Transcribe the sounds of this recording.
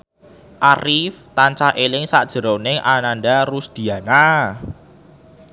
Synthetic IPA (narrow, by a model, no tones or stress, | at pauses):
ʔarift̪aɲt͡ʃahʔelɪŋsaʔd̥ʒ̥ə̤ɾonɪŋʔananɖarusd̪̥i̤ana